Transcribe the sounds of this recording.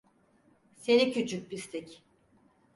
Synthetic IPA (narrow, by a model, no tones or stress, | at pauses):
senicʰyt͡ʃʰyc̚bist̪ʰɛc